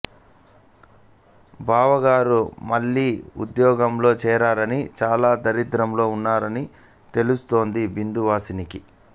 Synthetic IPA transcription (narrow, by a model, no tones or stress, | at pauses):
bʱaːʋɐɡaːɾumɐlːiːṵd̪jɔːɡɐmlo̞ːt͡ʃɛːɾaːɾɐnit͡ʃaːlaːd̪ɐɾid̪ɾɐmlo̞ːunːaːɾɐni | t̪e̞lust̪o̞ːnd̪ibind̪uʋaːsiniki